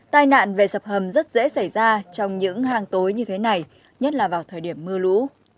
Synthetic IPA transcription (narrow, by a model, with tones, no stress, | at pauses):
t̪aː˧jna̰ː˧˨nve˨˩sə˨˩p̚hə˨˩mzə˦˥t̚zḛ˧˥sa˧˩jzaː˧t͡ɕɔ˧wŋ͡mɲɨ̰˧˥ŋhaː˧ŋt̪o˨˦jɲɨ˧t̪ʰe˨˦na˨˩j | ɲə˦˥t̚laː˨˩vaː˨˩wt̪ʰəː˨˩jɗi˧˩əmːɨ˧əlṵ˧˥